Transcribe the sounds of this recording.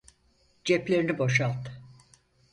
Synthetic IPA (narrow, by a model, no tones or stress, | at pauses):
d͡ʒɛplʲe̞ɾinibo̞ʃalˠt̪ɯ̥